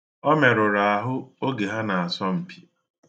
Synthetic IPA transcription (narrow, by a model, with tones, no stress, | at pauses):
ɔ˦me˨ɾʊ˨ɾa˨a˨ɦʊ˦o˦ɡe˨ɦa˦na˨a˨sɔ˦m̩˨pʰi̥˦